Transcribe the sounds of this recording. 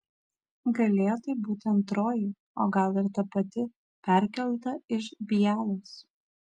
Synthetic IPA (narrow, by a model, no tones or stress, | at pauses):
ɡɐlʲeːjoːt̪ɐɪbuːt̪ʲɪɐnt̪ɾoːju | o̰ːɡɐlˠɪɾt̪ɐpɐt̪ʲɪ | pʲæˑɾʲkʲɛlˠt̪ɐɪʃbʲijæːlˠoːs